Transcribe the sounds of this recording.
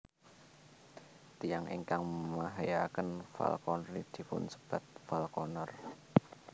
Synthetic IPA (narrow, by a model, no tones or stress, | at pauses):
t̪ijaŋḭŋkaŋməmaɦajakənfa̰lkɔnrid̪̥i̤pʊ̰nsə̥b̥ä̤t̪̚falkɔnɔr